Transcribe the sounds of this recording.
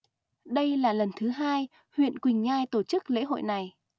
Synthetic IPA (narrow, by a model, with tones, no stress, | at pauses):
ɗə˧jlaː˨˩lə˨˩nt̪ʰɨ˨˦ɦaː˧j | hwḭ˧˨ənkwi˨˩ŋ̟ɲaː˧jt̪o˧˩t͡ɕɨ˦˥k̚lḛ˧˥ɦo̰˧˨jna˨˩j